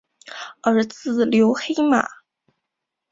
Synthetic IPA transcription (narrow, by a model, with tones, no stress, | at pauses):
ə˞˧˥t͡sɹ̩˥˩ljo˧˥ʊxe˥ɪma̰˨˩˦